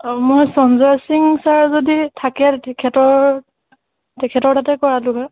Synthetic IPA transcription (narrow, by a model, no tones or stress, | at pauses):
mojsɔnzasiŋsaɹzoditʰakɛtɛkʰɛtɔɹ | tɛkʰɛtɔɹtatɛkɔɹalʊɡa